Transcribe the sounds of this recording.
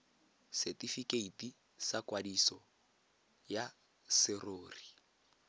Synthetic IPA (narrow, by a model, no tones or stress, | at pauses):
sɛtʼifikeitʼi | sakwadisɔ | ja | sɪroːri